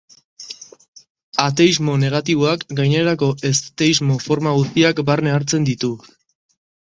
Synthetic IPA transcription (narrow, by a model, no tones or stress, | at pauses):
at̪e̞izmo̞ne̞ɣ̞at̪iβoakɡajne̞ɾako̞ʔe̞st̪eizmo̞fo̞ɾmaɣ̞ust̪iakbaɾne̞aɾt͡se̞nd̪it̪u